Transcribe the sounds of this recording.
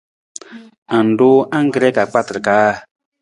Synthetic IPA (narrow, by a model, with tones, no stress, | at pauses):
a˨n˨do˦ʔã˦ŋ˦ɡɾɛ˦ka˨k͡pa˦tɾka˨˦˨